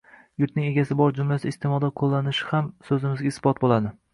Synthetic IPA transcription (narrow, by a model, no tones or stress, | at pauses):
jʊɾt̪nɪŋe̞ɡʲasɪbɒɾd͡ʒʊmlasɪɪst̪emɒd̪aqʰolˠːanɪʃɪ̥hamsɵzɪmɪzɡʲaɪsbɒt̪̚bolad̪ɪ